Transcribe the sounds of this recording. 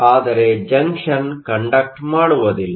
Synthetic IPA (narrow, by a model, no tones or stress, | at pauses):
aːd̪ɐɾed͡ʒɐŋkʂɐnkɐɳɖɐk̚ʈmaːɽuʋɐðil